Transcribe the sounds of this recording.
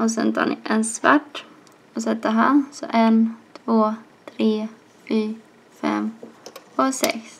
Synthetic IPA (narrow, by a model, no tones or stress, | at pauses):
ɔs̬ɛnt̪ʰɑ̰ːnʔɛnsvaʈː | ɔsɛt̪ːəɦansɔ̰ʔɛnt̪ʰvoːt̪ʰɾeː | fyːɾ | fɛ̰m | ɔsɛ̰ks